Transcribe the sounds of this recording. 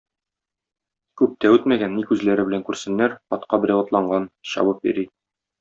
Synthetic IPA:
kʉp̚t̪æʉt̪mæɡænːikʉzlæɾɘbɘ̆læŋkʉɾsɘ̆nːæɾɒt̪qɑbɘ̆ɾʲæwɤ̆t̪lˠɑɴɢɑnɕɒ̰wɤp̚bḭɾi

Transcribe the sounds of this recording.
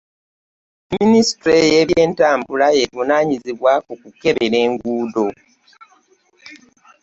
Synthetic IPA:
minisi̥tɾejeβje̞ːntaːmbulajevunaːɲiziβwakukuke̞βe̞ɾe̞ːŋɡuːdo̞

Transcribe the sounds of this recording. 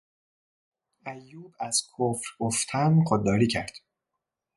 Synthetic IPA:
æjːuːbæz̥kʰofɾɡoft̪ʰæmχod̪ːɒːɾiːkcʰæ̰ɾd̪̥

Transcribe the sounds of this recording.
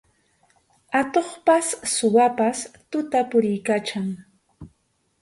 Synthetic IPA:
at̪oχpasːʊwapast̪ʊt̪apʊɾɪjkaːt͡ʃaŋ

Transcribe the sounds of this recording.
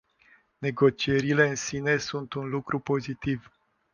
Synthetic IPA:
ne̞ɡo̞t͡ʃie̞ɾile̞ɨnsine̞sunt̪unlukɾʔupo̞zit̪iv

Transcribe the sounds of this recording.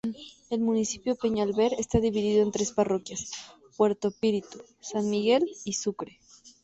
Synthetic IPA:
e̞lmunisipjope̞ɲalβe̞ɾest̪aðiβiðiðoe̞nt̪ɾe̞sparo̞kjas | pwe̞ɾt̪ospiɾit̪u̥ | sanmiɣe̞lisukɾe

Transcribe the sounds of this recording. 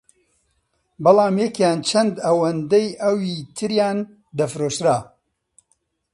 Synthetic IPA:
bɐlˠaːmjɛkjaːnt͡ʃʰɐnd̪ɐwɐnd̪ɐjʔɐwiːt̪ʰɨɾjaːn | d̪ɐfɾoːʃɾaː

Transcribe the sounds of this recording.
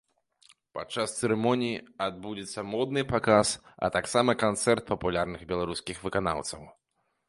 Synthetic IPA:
pat͡ʂːast̪sɛɾɛmɔnʲijiad̪̚bud͡zʲɛt̪sːɐmɔd̪nɨpakasɐ̰t̪aksamɐkant̪sɛrt̪̚pɐpulʲarnɨɣbʲɛlˠaɾuskʲixvɨkana̰wt̪sɐw

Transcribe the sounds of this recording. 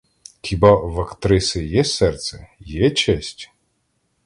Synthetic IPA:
xʲibɑʋɐkt̪ɾɪsɪjɛsɛrt̪sɛjɛt͡ʃɛsʲtʲ

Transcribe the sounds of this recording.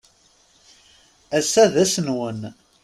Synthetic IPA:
æsːæðæsənwən

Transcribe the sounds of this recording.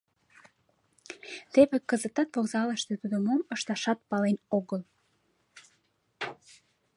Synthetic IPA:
t̪eβekəzət̪ɑt̪voɣzɑləʃt̪et̪ud̪əmoməʃt̪ɑʃɑt̪̚pɑlenoɣəl

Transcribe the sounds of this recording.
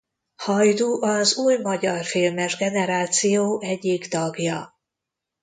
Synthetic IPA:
hɒjd̪uʔɒzuːjmɒɟɒrfiːlmɛʒɡɛnɛɾaːt̪sijoːʔɛɟːikt̪ɒɡjɒ

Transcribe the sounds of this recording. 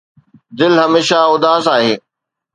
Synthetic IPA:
d̪ɪlɦɐmeːʃaʊd̪aːsaːɦeː

